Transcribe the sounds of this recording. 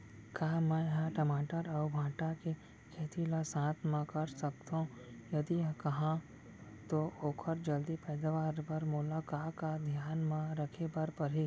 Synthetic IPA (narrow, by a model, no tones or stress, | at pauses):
kaːmɛ̃ɦãʈəmaːʈəɾɔːʊbʱãːʈake | kʰeːt̪ʰilasãːt̪ʰmãkɐɾsɐkt̪õ | jɐd̪ikɐɦã | t̪ooːkʰəɾd͡ʒɐld̪ipɛːd̪aʋaːɾpɐɾmʊlaːkaːkad̪ʱjaːnmãɾəkʰepɐɾpɐɾɦi